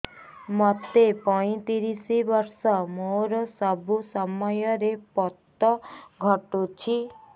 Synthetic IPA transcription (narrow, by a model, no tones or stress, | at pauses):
mɔt̪epɔĩt̪iɾisibɔɾsɔmoɾɔsɔbʱusɔmɔjɔɾepɔt̪ːɔɡʱɔʈot͡ʃʰi